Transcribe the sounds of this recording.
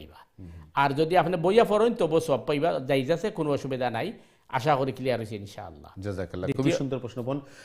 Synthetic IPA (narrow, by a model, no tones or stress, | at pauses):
jbaaɾd͡ʑod̪iapnebojafɔɾont̪obosɔbpajbad͡ʑajd͡ʑasekonobaʃubed̪ʱanaj | a̰ʃ̬akoɾikilijaɾosiinʃa̰a̰lːa̰d͡ʒɐzakalːad̪ikubiʃund̪oɾpɾosnopɔn